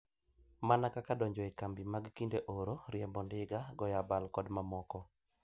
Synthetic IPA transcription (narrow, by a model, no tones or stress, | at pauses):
manakakadɔɲd͡ʒɔekambimaɡkindeʔoɾoɾjɛmbɔndɪɡaɡɔjabalkɔdmamɔkɔ